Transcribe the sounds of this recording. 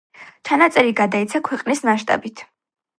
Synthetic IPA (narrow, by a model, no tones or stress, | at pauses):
t͡ʃʰanat̪sʼɛɾiɡad̪ait̪sʰakʰwɛqʼnismaʃt̪ʼa̰bit̪ʰ